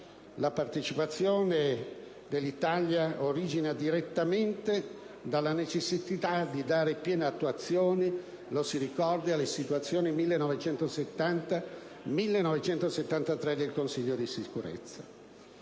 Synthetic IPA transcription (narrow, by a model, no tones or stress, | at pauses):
lapart̪et͡ʃipat̪sːjoːne | d̪elːit̪aljaoɾid͡ʒinad̪iɾet̪ːament̪e | d̪alːanet͡ʃesːisit̪ad̪id̪aːɾepjɛːneat̪ːuat̪sːjoːni | losiɾikɔrd̪ialːesit̪uat̪sːjoːnimilːenɔvet͡ʃɛnt̪oset̪ːant̪a | milːenɔvet͡ʃɛnt̪oset̪ːant̪at̪ɾɛd̪elkonsiʎːod̪isikuɾḛt̪sːa